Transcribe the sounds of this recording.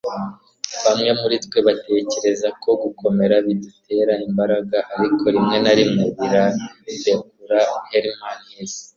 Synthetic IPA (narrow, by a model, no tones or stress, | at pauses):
βamŋemuɾitwe̞βate̞ːce̞ɾe̞zakʰo̞ɡukʰo̞me̞ɾaβidute̞ɾaimbaɾaɡaʔaɾikʰo̞ɾimŋe̞naɾimuβiɾabekuɾaheɾimanhez̥